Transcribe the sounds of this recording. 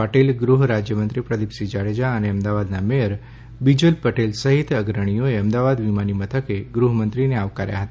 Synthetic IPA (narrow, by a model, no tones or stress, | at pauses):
əʈelɡɾuɦɾad͡ʒjəmənt̪ɾipɾəd̪ipsid͡ʒaɽed͡ʒaəneəmd̪aʋad̪namejəɾ | bid͡ʒulpəʈelsəɦit̪əɡɾəɽ̃ijoeəmd̪aʋad̪ʋimanimət̪ʰəkeɡɾuɦəmənt̪ɾineaʋkaɾja̰ɦət̪aa